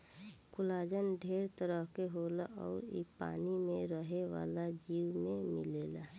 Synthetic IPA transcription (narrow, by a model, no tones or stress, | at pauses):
kʊlaːd͡ʒənɖʱeːɾt̪əɾəɦkeɦoːlaʔɔ̰ːɾḭpa̰ːnimẽɾəɦeʋa̰ːlad͡ʒiːwmẽmɪleːla